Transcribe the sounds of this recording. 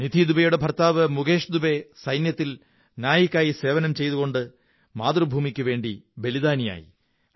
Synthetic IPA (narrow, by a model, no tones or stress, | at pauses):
nid̪ʱid̪ubɐjuɽe̞bʱɐrt̪aːʋɨmuɡe̞ːʂd̪ube̞sɐjnjɐt̪ːil | njaːjikʲːaːjise̞ːʋɐnɐmt͡ɕe̞jðuɣo̞ɳɖɨ | maːt̪rɐbʱuːmikʲːuʋe̞ːɳɖibe̞liðaːnija̰ːjḭ